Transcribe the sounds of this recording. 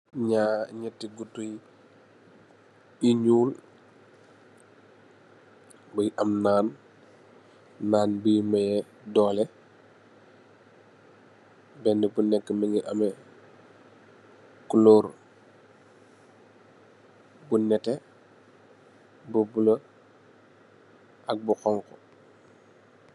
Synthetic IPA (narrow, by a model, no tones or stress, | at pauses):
ɲaɲɛtːiɡutuj | iɲuːl | bujʔɐmnaːn | aːnbijmɐjɛ | dɔːlɛ | bɛndɛbunɛkːəmiŋɡiʔɐmɛ | kuloːɾ | bunɛtɛ | bubulə | ʔɐk̚buxɔŋkɔ